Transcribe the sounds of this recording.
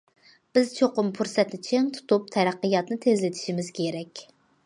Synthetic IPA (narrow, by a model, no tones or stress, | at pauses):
b̥ɪzt͡ʃʰoqʊmpʰuɾsɛt̪nɪt͡ʃʰiŋt̪ʰu̥t̪up̚t̪ʰɛɾæqːɨjɑt̪nɨt̪ʰezlɪt̪ʰi̥ʃimɪz̥kʲʰeɾɛkʲ